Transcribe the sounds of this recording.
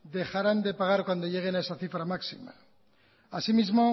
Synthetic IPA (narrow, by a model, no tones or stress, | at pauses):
d̪e̞xaɾand̪e̞paɣ̞aɾkwand̪o̞ʝe̞ɣe̞nae̞saθifɾamaksḭma̰ | asimizmo